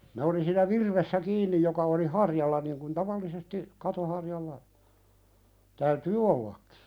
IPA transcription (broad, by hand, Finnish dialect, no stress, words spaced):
ne oli siːnæ ʋirʋesːæ kiːnːij jokɑ oli hɑrjɑlːɑ niŋ kun tɑʋɑlːisesti kɑto hɑrjɑlːɑ tæytyː olːɑkːi̥